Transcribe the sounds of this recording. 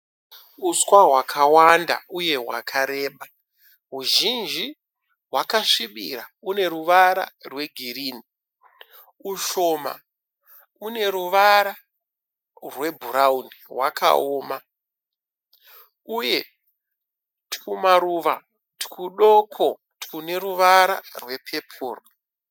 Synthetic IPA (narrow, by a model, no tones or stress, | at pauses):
uswaɦwakʰawanda̰uje̞ɦwa̰kʰaɾe̞ːɓa | ɦuʒind͡ʒi | ɦwakaʂiɓḭɾaune̞ruʋaɾa̰rwe̞ɡʱiɾiːni | uʃo̞ma̰ | une̞ɾuʋaɾa | rwe̞bʱuɾaunirwakʰa̰oːma | uje̞ | tkumaɾuʋa | ti̥kuɗokʰo̞ | tkune̞ɾuʋaɾa̰rwe̞pʰe̞pʰuːro